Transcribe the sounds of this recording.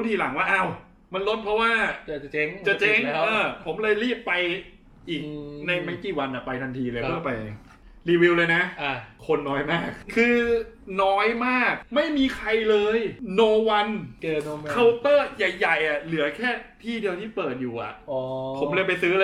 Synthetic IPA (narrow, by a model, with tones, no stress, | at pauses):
t̪ʰiː˧˩la˩˦ŋwaː˥˩ʔa˥˩w | ma˧nlo˦˥t̪̚pʰɾɔ˦˥waː˥˩˧t͡ɕe˦˥ŋt͡ɕa˨˩t͡ɕe˦˥ŋʔɤː˧˩pʰo˩˦mlɤː˧jɾiː˥˩pːa˧j | ʔiː˨˩k̚na˧jma˦˥˩kiː˨˩wa˧nʔa˨˩pa˧jt̪ʰa˧nt̪ʰiː˧lɤː˧jʰɯ˥˩ɐpa˧j | ɾiː˧wi˧wlɤː˧jna˦˥˧kʰo˧nːɔː˦˥jmaː˥˩k̚kʰɯː˧nɔː˦˥jmaː˥˩k̚ma˥˩jmiː˧kʰa˧jlɤː˧jnoː˧wa˧n˧ | kʰa˧wt̪ɤː˥˩ja˨˩jːa˨˩jʔa˨˩lɯ˩˦ɐkʰɛː˥˩t̪ʰiː˥˩di˧əwt̪ʰiː˥˩pɤː˨˩t̪̚juː˨˩ʔa̰˨˩ʔpʰo˩˦mlɯ˧əpa˧jsɯ˦˥l